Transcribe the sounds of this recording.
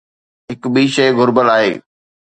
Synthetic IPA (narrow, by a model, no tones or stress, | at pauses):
ɦɪkɓiːʃɐjɣʊɾbəlaːɦḛː